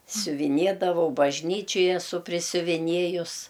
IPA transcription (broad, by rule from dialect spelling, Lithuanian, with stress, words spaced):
sʲʊʋʲɪˈnʲiɛdɐʋɐʊ bɐʒʲˈnʲiːt͡ʃʲoːj ɛˈsʊ pʲrʲɪsʲʊʋʲɪˈnʲiɛjʊs